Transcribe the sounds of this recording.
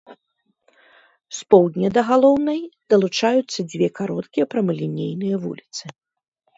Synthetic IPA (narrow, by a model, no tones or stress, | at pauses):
spɔwd̪ʲnʲɐd̪ɐɣalˠɔwnɐjd̪̥ɐlˠut͡ʂajut̪sːɐd͡zʲvʲɛkaɾɔt̪kʲijɐpɾɐmɨlʲinʲejnɨjɐvṵlʲit̪sɨ